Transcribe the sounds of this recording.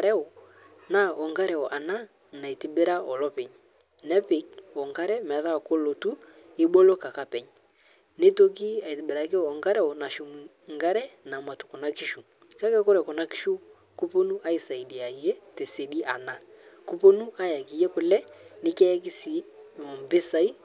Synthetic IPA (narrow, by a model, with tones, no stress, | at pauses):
ɾɛ˦ɔ˨ | na˦ʔɔ˨ŋɡa˦ɾɛ˨ɔ˨ʔa˨na˦ | na˨i˨ti˨bɪ˦ɾa˦ɔ˨lɔ˦pɛ˨ɲ | nɛ˦pɪ˨k̚ɔ˨ŋɡa˦ɾɛ˦m˨ða˦˨ko˦lo˨tu˦ɪ˦ɓo˦lo˦ka˨ka˨pɛ˨ɲ | nɪ˦to˦k̬i˦a˨i˨tɪ˨bɪ˨ɾa˨kɪ˦ɔ˨ŋɡa˦ɾɛ˦ɔ˨na˨ʃu˨mu˨ | ŋɡa˦ɾɛ˦na˨ma˨tu̥˨kɔ˨na˦ki˦ʃu˨ | ka˦kɛ˦kɔ˦ɾɛ˨kɔ˨na˦ki̥˦ʃu˦ | ku˦po˦nu˦ʔa˦i˨sa˨i˨di˨a˨je˦tɛ˨se˨di˦ʔa˨na˦ | ku˦po˦nu˦a˦ja˨ki˨je˦kʊ˨lɛ˦nɪ˦kɛ˦jɛ˦ki˦si˨˦˨mɔ˨mbɪ˦sa˨i˦